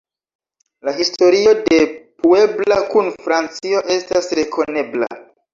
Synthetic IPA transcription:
laɦisto̞ɾio̞de̞pue̞blakunfɾant͡sio̞ʔe̞stasɾe̞kʰo̞ne̞bla̰

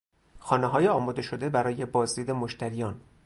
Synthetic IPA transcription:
xɒːneɦɒːjeɒːmɒːd̪e̞ʃod̪e̞bæɾɒːje̞bɒːzd̪iːd̪emoʃt̪ʰæɾijɒːn

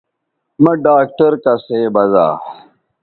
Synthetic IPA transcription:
mɐɖaːk̚ʈɐɾkɐseːbɐza̰ː

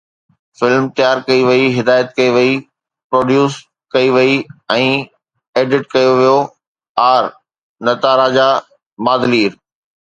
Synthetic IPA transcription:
fɪlmt̪jaːɾkɐiʋɐiɦɪd̪aːjət̪̚kɐiʋɐi | pɾoːɖjuːs | kɐiʋɐiɛ̃ː | eːɖɪʈkɐjoʋijo | aːɾ | nɐt̪aːɾaːd͡ʑa | maːd̪liːɾ

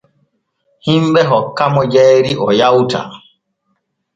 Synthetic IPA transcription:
himbɛɦɔkːamɔd͡ʒɛːɾiʔɔjawta̰

